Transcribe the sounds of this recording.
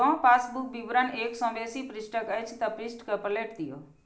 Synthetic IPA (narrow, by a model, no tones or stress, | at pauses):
ɔ̃ːpaːsbuk̚biʋɾəneːksɔ̃ːbeːsipɾɪsʈəkɐjt͡ʃʰt̪ɐpɾisʈkɐpɾəleːʈd̪ijo̰ː